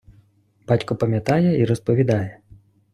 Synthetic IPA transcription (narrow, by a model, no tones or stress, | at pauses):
b̥at͡sʲkupɐmʲjat̪ajɛiɾɐspɐvʲid̪ajɛ